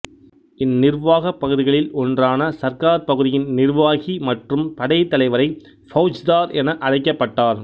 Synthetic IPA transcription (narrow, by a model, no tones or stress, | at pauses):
ɪnːɪɾʋaːɣɐpːɐɣɯðɪɣɐɭɪlʔɔndraːnɐsɐɾkaːɾpɐɣɯðɪjɪnnɪɾʋaːɣimɐʈrɯmpɐɽɐjt̪ːɐlɐɪʋɐɾɐɪ | fɐʊd͡ʒd̪aːɾɛnɐʔɐɻɐɪkːɐpːɐʈːaːɾ